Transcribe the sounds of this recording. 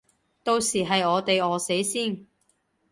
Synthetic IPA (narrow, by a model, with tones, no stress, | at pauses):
t̪o˧wsiː˨˩ɦɐ˨jɔː˨˧t̪e˨jɔː˨˧se˨˥jsiː˥˩n